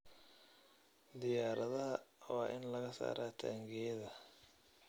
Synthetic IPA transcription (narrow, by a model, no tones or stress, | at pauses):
d̪ɪjaːɾɐðɐɦɐwɑːʔɪnlɐɣɐsa̰ːɾaːt̪ʰa̰ːŋɡɛjɐðɐ